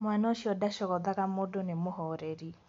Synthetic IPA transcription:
mwanaoʃiɔdaʃɔɣɔðaɣamodonemohɔɾɛɾi

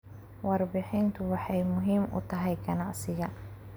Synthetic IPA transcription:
wɑrbɪħɪnt̪ʰʊwɑħɑjmʊɦiːmʔʊ̰t̪ʰɐɦɛjɡɐnɑʕsɪjɐ

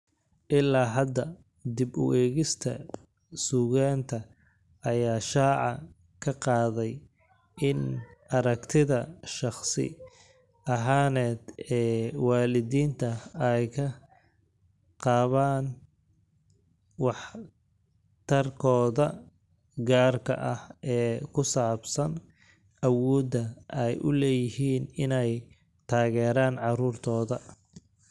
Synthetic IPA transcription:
ʔɪlaːɦɐd̪ɐ | d̪ɪbʊ̰ʔɛːɣɪst̪ʰɐ̰ | suːɣaːnt̪ʰɐ | ɐjaːʃaːʕɑ | kʰɐqɑːðɛj | ʔɪnʔɐɾɐkt̪ʰɪðɐʃɑχsɪ̰ | ɐɦaːnɛːd̪ɛːwɑːlɪðiːnt̪ʰɐɛjkʰɐ | qɑːβaːn | wɑħ | t̪ʰɐrkʰɔːðɐ | ɡaːrkʰɐ̰ʔɐhɛːkʰʊsaːbsɐn | ʔɐwɔːd̪ɐʔɛjʔʊ̰lɛːjɪhiːnɪnɛj | t̪ʰaːɣɛːɾaːnʕɑruːrt̪ʰɔːðɐ

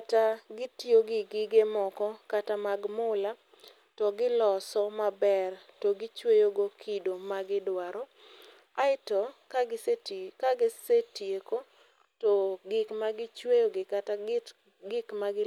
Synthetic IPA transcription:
ataɡɪtjoɡɪɡɪɡemɔkɔkatamaɡmʊla | tɔɡɪlɔsɔmabɛrtɔɡɪt͡ʃwejoɡokʰidomaɡɪdwaɾɔ | aɪtɔkaɡɪsetkaɡɪsetjeko | tɔɡɪkmaɡɪt͡ʃwejoɡɪkata | ɡɪkmaɡɪ

